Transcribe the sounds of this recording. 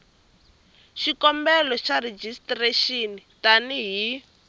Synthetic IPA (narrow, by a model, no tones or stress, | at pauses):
ʃikɔmbɛlɔʃared͡ʒistreʃinitaniɦi